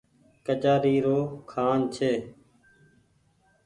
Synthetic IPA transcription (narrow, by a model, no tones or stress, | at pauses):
kət͡ʃaːɾiːɾoːkʰaːnt͡ʃʰeː